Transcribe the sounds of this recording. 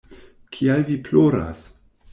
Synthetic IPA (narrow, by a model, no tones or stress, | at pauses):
kʰialviploɾa̰s